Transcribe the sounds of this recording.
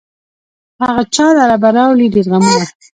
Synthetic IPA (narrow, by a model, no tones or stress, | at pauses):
haɣat͡ʃɑlaɾabaɾɑwliɖeɾɣamuna